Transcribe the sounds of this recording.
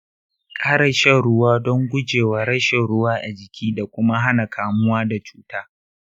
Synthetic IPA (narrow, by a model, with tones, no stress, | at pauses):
kʼaː˦ɽɐ˨ʃɛ˦ɽʊ˦waː˦dɔ˦ŋɡʷʊ˦d͡ʒeː˨waː˨˦ɽɐ˦ʃe˨ɽʊ˦waː˦ʔa˨d͡ʒɪ˨kʲʰiː˦da˨kʷʊ˦ma˦ɦa˦na˨kʰaː˨mʊ˦waː˦da˨t͡ʃu̥ː˦taː˦